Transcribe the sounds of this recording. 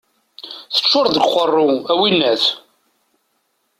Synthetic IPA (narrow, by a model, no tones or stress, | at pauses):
θə̥t͡ʃːʊɾˤðəɡχərˤːʊæwinːæθ